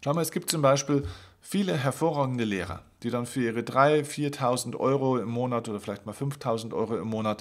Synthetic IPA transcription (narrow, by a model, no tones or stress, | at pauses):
ʃaʊnmaːɛsɡ̥iːpt̚t͡sʊmbaɪʃpiːl | fiːləɦɛɐfoːɐʁaːɡŋ̩dəleːʁɐ̰d̥iːdanfyːɐʔiːʁ̞ədʁaɪfiːɐtʰaʊzn̩tʔɔ̰ʏʁoɪmːoːnatʔoːdɐfɪlaɪçtmaːlfʏnftʰaʊzn̩tʔɔ̰ʏʁoɪmːoːnat